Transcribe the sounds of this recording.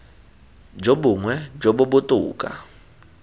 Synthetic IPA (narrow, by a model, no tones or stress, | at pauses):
d͡ʒoɓuŋwɛd͡ʒoɓʊbʊtʼṵːkʼa̰